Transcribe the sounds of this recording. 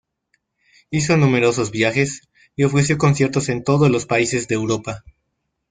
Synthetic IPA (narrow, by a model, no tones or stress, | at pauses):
is̬o̞nũme̞ɾo̞so̞zβjaxe̞s | io̞fɾes̬jo̞ko̞nsje̞ɾt̪o̞se̞nt̪o̞ðozlo̞spaise̞zðe̞ːwɾo̞pa